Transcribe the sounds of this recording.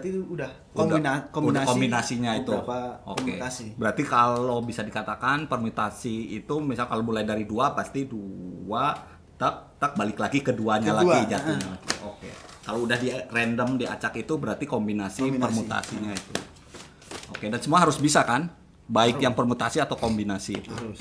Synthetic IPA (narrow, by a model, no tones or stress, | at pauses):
iuudah | dakoudaakobinasiɲait̪uo̰kesibəɾart̪ikalobisadikat̪akanpərmut̪asiit̪umisalkalomulajdaɾiduapast̪idua | t̪ap̚t̪ak̚balɪklaɡikəduaɲalaɡid͡ʒatɲalakiokḛkaloudahdirɛndəmdia̰t͡ʃakit̪ubəɾart̪ikombinasipərmut̪a̰siɲait̪u | okedansəmuaɦaɾʊsbisakan | baɪkjaŋpərmut̪asiat̪awkombinasḭːt̪u